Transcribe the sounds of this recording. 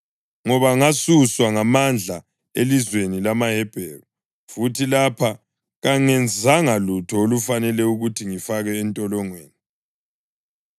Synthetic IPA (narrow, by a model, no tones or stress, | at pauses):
ŋɔβaŋasuswaŋamand͡ɮʱa | elizwenilamaɦɛb̥ʱɛːru | futʰilapʰa | ɣaŋɛnd͡zʱaŋalutʰɔolufanɛlɛuɣutʰiŋifaɣɛːntʼɔlɔŋweːni